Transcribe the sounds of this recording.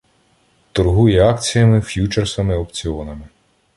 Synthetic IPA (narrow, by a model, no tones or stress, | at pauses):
t̪ɔrɦujɛɑkt͡sʲijɐmɪfʲjut͡ʃersɐmɪɔpt͡sʲiɔnɐmɪ